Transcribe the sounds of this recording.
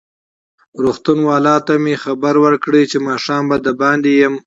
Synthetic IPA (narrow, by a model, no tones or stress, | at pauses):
ɾuxt̪unwɑːlɑt̪amexabaɾwəɾkɽet͡ʃemɑːʂɑːmbad̪əbɑnd̪ejəm